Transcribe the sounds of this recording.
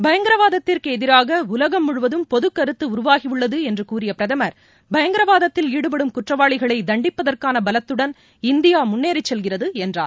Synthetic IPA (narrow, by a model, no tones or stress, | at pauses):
bɐjɐŋɡɪɾɐʋaːðɐt̪ːɪrkɯɛðɪɾaːɣɐʊlɐɣɐmːʊɻʊʋɐðɯmpɔðɯkːɐɾɯt̪ːɯʊɾʊʋaːɣiʋɯɭːɐðɯɛndrɯkuːɾɪjɐpɪɾɐðɐmɐɾ | bɐjɐŋɡɪɾɐʋaːðɐt̪ːɪliːɽɯp̬ɐɽɯmkʊʈrɐʋaːɭɪɣɐɭɐɪd̪ɐɳɖɪpːɐðɐrkaːnɐbɐlɐt̪ːɯɽɐn | ɪnd̪ɪjaːmʊnːeːɾɪt͡ʃːɛlɣɪrɐðɯɛndra̰ːl